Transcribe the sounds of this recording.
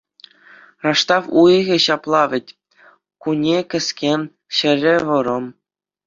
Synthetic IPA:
rɑʂt̪ɑfujɣʲĕɕɑplˠɑʋʲɘ̆tʲ | kunʲekʲɘ̆sʲkʲenʲ | ɕɘ̆rʲɘʋɤ̆ɾɤ̆m

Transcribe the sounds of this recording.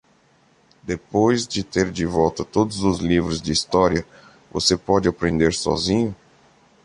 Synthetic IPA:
d̪epojzd͡ʒɪt̪eɾd͡ʒɪvɔwt̪ɐt̪od̪ʊzʊzlivɾʊzd͡ʒɪist̪ɔɾiɐ | vo̰sepɔd͡ʒɪapɾẽnd̪eɾsɔ̰zĩɲʊ

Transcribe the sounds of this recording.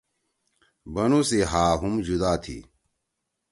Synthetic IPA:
bɐnuseɦaːɦumd͡ʑud̪aːt̪ʰḭ

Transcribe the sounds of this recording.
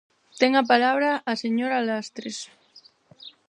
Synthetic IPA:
t̪eŋap̬alaβɾaʔːseɲoɾalast̪ɾes

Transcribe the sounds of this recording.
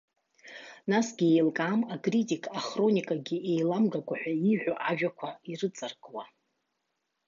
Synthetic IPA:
nasɡʲie̞jlkʼamakʼritʼikʼaχro̞nʲikʼaɡʲiejlamɡakʷʼaħʷᶣaiħʷᶣaʔaʒᶣakʷʰairɨt͡sʼarɡʼwa

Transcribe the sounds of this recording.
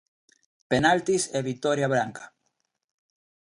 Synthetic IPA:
penalt̪iseβit̪oɾjaβɾaŋkḁ

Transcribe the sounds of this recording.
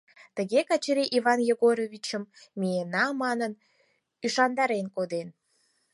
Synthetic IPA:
t̪əɣekɑt͡ɕəɾiʔiβɑnjeɣoɾovʲit͡ɕəmːʲienɑmɑnən | yʃɑnd̪ɑɾenkod̪en

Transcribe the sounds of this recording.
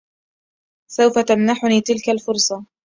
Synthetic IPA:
sawfat̪amnaħʊniːt̪ɪlkalfʊɾsˤɑ

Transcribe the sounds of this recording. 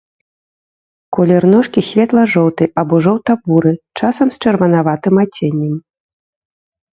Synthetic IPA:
kɔlʲɛrnɔʂkʲisʲvʲɛt̪lˠɐʐɔwt̪ɨʔɐbɔʐɔwt̪abuɾɨt͡ʂasɐmst͡ʂɛrvɐnavat̪ɨmat͡sʲenʲːɛm

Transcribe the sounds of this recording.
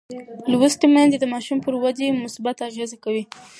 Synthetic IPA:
lwəsʈ̪emanzed̪əmɑʃumpəɾwad͡ʒemʊsbat̪aɣezakawi

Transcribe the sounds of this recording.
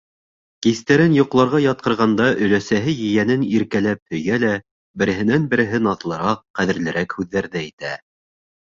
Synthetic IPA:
kist̪æɾɘnjŏqlˠɑɾʁɑjɑt̪̚qɤ̆ɾʁɑnd̪ɑʔɵ̆læsæɦɘjɘ̆jænɘniɾkælæp̚hɵ̆jælæ | bɘ̆ɾɘ̆ɦɘ̆nænbɘ̆ɾɘ̆ɦɘnɑt̪lˠɤ̆ɾɑqːæðɘ̆ɾlɘ̆ɾækhʉðːæɾðæit̪æ

